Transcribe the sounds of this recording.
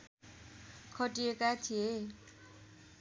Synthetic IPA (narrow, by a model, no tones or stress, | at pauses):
kʰʌʈiekat̪ʰie